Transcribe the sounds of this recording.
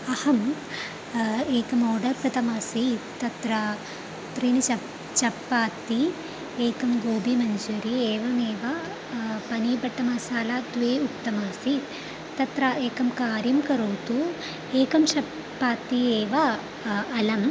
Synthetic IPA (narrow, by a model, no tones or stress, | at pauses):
ɐhɐm | eːkɐmoːɖɐɾpɾɐt̪ɐmaːsit̪ɐt̪ɾa | t̪ɾiːnit͡ʃɐ | t͡ʃɐpːaːt̪ːi | eːkɐmɡoːbimɐɲd͡ʒuɾieːʋɐmeːʋa | pɐniːbɐʈːɐmɐsaːlaːd̪ʋeːuk̚t̪ɐmaːsi | t̪ɐt̪ɾaːeːkɐmkaːɾjɐmkɐɾoːt̪u | eːkɐmt͡ʃɐ | pːaːt̪ːieːʋa | ɐlɐm